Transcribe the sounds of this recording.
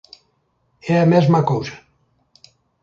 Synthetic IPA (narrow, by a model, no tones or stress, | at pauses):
eamɛzmakowzḁ